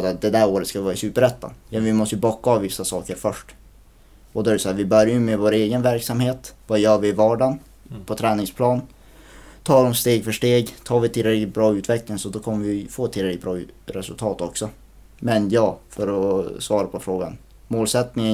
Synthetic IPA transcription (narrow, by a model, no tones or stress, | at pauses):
d̪at̪̚d̪ɛd̪æɾoːɾət̪skavɪvɑːɾasʉ̟ːpəɾɛt̪ːa̰jɑvɪmɔst̪əjəbɔkːaːvvɪsːasɑːkəɾfœʂʈ | ɔd̪ɔæɾɛsɔæːvɪbœɾjajɵmɛvoːɾeːɡənvæɾksamheːt̪vɑjœːvɪːvɑːɖɑn | pʰɔt̪ʰɾɛːnɪŋspʰlɑːn | t̪ʰɑːɾɔmst̪eːɡfœʂʈeːɡt̪ʰɑːvɪt̪ʰɪlːɾɛklɪt̪bɾɑːʉ̟ːt̪ʰvɛklɪŋsɔd̪ɔkʰɔmːəɾvɪfoːɛt̪ʰːɪlɾɛk̪bɾɑːɾɛsɵlt̪ʰɑːt̪ɔksɔ | mɛnjɑːfœɾɔsvɑːɾapʰɔfɾoːɡan | moːlsɛt̪nɪŋə